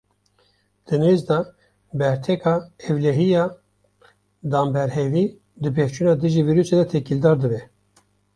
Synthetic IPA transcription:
d̪̥ɨnezd̪ɑ | bɛɾt̪ʰɛkʰɑːɛvlɛɦijɑː | d̪ɑːmbɛɾhɛviː | d̪ɨpʰeft͡ʃʰunɑːd̪ɨʒiːviːɾuːsed̪ɛt̪ʰɛkild̪ɑːɾd̪ɨbɛ

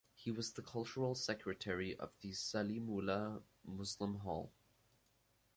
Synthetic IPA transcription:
hiwʌzðəkʰʌlˠt͡ʃəɹəl̩ˠsɛkʰɹɨtʰɛɹiʔə̰vðɨsalimulə | mʊslə̃mɦɔ̰lˠ

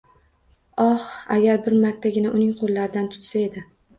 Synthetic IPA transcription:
ɒha̰ɡʲaɾbɪɾmaɾt̪ʰːaɡʲɪnaʔʊnɪŋqʰolˠːaɾɪd̪ant̪ʰʊ̥t̪sae̞d̪ɪ

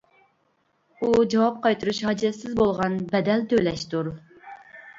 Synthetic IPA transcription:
ud͡ʒɑwɑp̚qʰɑjt̪ʰuɾuʃhɑd͡ʒɛsɪzbolˠʁɑnbɛd̪ɛlt̪ʰølɛʃt̪uɾ

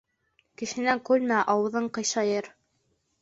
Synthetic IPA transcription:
kɘ̆ʃɘ̆næŋkʉlmæʔɑwɤ̆ðɤɴqɤ̆jsʃɑjɤɾ

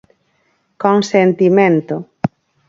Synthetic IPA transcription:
koŋsent̪imẽnt̪o

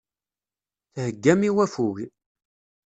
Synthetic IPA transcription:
θhəɡːæmiwæfuɣi

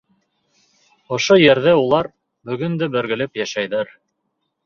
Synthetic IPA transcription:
ŏʃojɘɾðæulˠɑɾ | bɵ̆ɡɵ̆nd̪ɘbɘ̆ɾɡɘ̆lɘpjæʃæjðæɾ

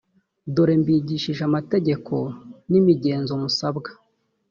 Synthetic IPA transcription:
duɾembiɟiʃiʒamate̞ɟe̞kʰo̞nimiɟe̞ːnzomusabɡḁ

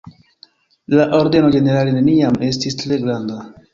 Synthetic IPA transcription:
laʔo̞ɾde̞no̞ɡe̞ne̞ɾaline̞niame̞stistɾe̞ɡɾanda

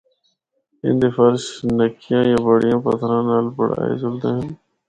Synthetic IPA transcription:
ɪ̰̃nd̪eːfəɾʃnəkʰɪjãːjãːbəɽɪjãːpət̪ʰɾãːnaːlpəɽ̤a̰ːḛːzʊld̪ãːɦɪn

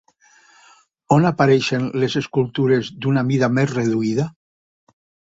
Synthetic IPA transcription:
onapaɾɛʃenlezeskulˠt̪uɾezd̪unamiðamezreðuiða

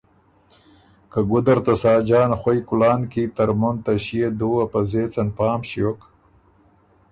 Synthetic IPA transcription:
kaɡʊd̪aɾt̪asɑːd͡ʒɑːnxojkʊlɑːnkit̪aɾmʊnt̪aɕied̪uapazeːt͡sanpɑːmɕiok

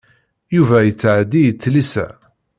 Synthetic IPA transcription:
juvæjət͡sːʕd̪ijət͡sːlisæ̰

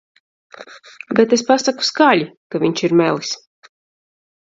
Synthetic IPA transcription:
bet̪espasaku̥skaːlʲikavʲiɲt͡ʃiɾmɛlˠis

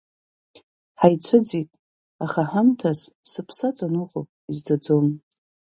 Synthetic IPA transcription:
ħajt͡sʷʰɨd͡zitʼ | aχaħamtʰazsɨpʰsat͡sʼanuʁʼo̰pʼizdad͡zom

